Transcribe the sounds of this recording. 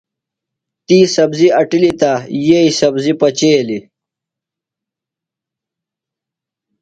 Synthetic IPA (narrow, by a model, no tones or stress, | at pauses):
t̪iːsɐbziɐʈilit̪ajeisɐbzipɐt͡ɕeːli